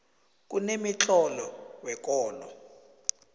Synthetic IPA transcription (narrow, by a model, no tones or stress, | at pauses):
k̬ʼunemit͡ɬʼɔlɔwɛkʼɔːlɔ